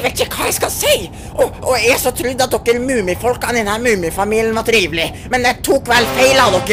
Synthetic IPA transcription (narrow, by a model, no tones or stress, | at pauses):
ʋeːt̪ɪçəkʰɑːjæɪskɑlseɪ | ʔɔʔɔæsɔt̪ʰɾʉd̪ːɑt̪̚d̪ɔkːəɾmʉːmɪfɔlkɑnd̪ɛnhæːɾmʉːmɪfɑmiːlɪənʋɑʈ̪ʰɾiːʋlɪ | mɛnd̪ɛt̪ʰuːkːʋɛlːfeɪlɑd̪ɔkːə